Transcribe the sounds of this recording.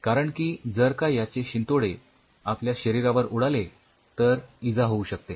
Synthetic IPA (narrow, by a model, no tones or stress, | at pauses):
kaɾəɳkiːd͡zəɾkajjat͡ɕeɕint̪oɽe | apljaɕəɾiɾaʋəɾuɽale | t̪əɾid͡zaɦouɕək̚t̪e